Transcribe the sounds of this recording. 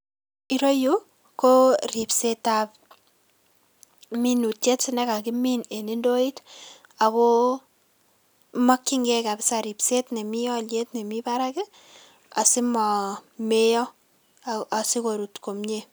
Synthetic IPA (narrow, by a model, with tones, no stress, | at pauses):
i˦ɾo˦ju˦ | ko˦ri˨pseta˨p̚ | mi˦nu˨tje˦tsɪ˦nɛ˦ka˨kɪmi˦ne˨ni˦ndo˦i˦t | a˨ko˦ | ma˦kːi˦ŋɡɛ˦ka˨bɪ˦sa˨ɾi˨pse˦tne˨mi˦jɔ˦lje˦tne˨mipaɾa˦kɪ˦ | a˨sɪ˦mɔ˨me˦jɔ˦ | a˨si˦ko˨ɾu˨tko˨mɲe˦